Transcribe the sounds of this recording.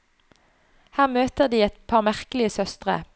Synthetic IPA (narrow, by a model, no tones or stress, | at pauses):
hæːʁmøːt̪əʁd̪iːɛt̪pʰɑːʁmæʁkəlɪəsœst̪ʁə̰